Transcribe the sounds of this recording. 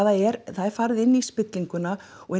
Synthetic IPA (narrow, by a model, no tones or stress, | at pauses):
aðaɛɾθaðɛɾ̥faɾɪðɪnːispɪt̪liŋkʏnaɔɣɛ